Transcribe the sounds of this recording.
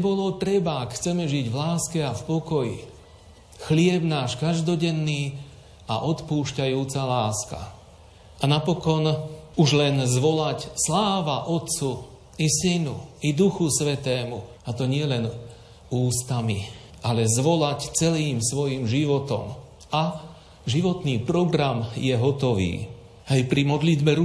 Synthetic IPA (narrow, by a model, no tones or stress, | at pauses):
ɛbɔlɔt̪ɾɛbaakxt͡sɛmɛʒiɟvlaːskɛafpɔkɔjḭ | xlɪɛbnaːʃkaʒd̪ɔɟɛnːiː | a̰ʔɔt̪puːʃcajuːt͡salaːska̰ | anapɔkɔnuʒlɛnzʋɔlacslaːʋaʔɔt̪t͡su | isinuid̪uxusʋɛt̪ɛːmu | at̪ɔɲɪɛlɛn | uːst̪amḭ | ʔalɛzʋɔlact͡sɛliːmsʋɔjiːmʒiʋɔt̪ɔ̰m | a | ʒiʋɔt̪niːpɾɔɡɾamjɛɦɔt̪ɔʋḭː | ajpɾimɔd̪lid̪bɛɾ